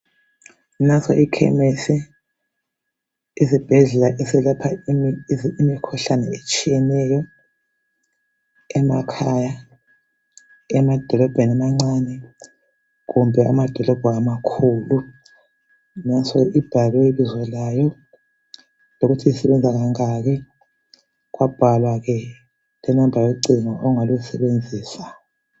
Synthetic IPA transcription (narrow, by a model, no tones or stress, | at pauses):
nasɔʔikʰɛ̰mesɛ | izib̥ʱɛɮɛlaʔɛsɛlapʰa | imikʰuɬanɛet͡ʃʼijɛnɛjɔ | ɛmakʰaja | ɛmad̥ʱɔlɔb̥ʱenamaŋ͡ǀanɛ | kumbʱɛa̰mad̥ʱɔlɔb̥ʱɔamakʰulu | nasɔib̥ʱalwɛilizwɔlajɔ | lok̬utʰiisɛɓɛnd͡zʱak̬aŋak̬ɛ | kwab̥ʱalwak̬ɛ | lɛnambʱaweǀiŋaʔɔŋalusɛɓend͡zʱiːsḁ